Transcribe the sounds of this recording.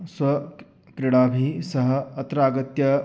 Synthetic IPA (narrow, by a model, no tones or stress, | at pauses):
sʋɐ | kɾiɽaːbʱiːsɐɦəːt̪ɾaːɡɐt̪jɐ